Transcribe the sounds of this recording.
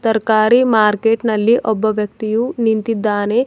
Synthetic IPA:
t̪ɐɾkaːɾimaːɾkeːʈnɐlːiʔɔbːɐʋjɐkt̪ijunint̪id̪ːaːne

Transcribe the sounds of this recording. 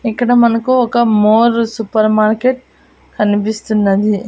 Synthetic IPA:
ikːɐɽɐmɐnɐkuɔkːɐmoːɾsupɐɾmaːɾkeʈ̚ | kɐnipist̪unːɐd̪i

